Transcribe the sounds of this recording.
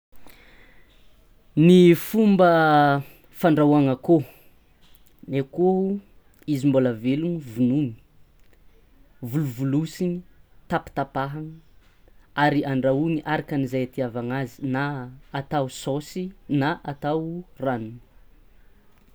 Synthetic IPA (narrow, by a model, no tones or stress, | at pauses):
nifumbə | faɳɖ͡ʐawaŋəko | neko | izimbolavelunivununi̥ | vuluvulusinit̪api̥t̪apaɦaŋə | aɾiaɳɖ͡ʐauniʔaɾakanizajat̪iavaŋazinaːt̪awsosinaʔat̪awranuni̥